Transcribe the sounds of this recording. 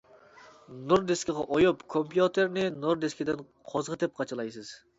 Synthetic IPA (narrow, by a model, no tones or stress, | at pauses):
nuɾd̪eskʲɪʁɑʔojupkʰompjut̪ʰeɾnɪnuɾd̪eskʲid̪ɪn | qʰozʁət̪ɛp̚qʰɑt͡ʃʰɨlˠɑjsɨz̥